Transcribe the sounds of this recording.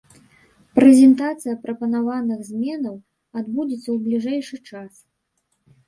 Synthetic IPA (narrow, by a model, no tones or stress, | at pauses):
pɾɛzʲɛnt̪at̪sɨjɐpɾɐpɐnavanɨɣzʲmʲɛnɐw | ad̪bud͡zʲit̪sːɐwblʲiʐɛjʂɨt͡ʂas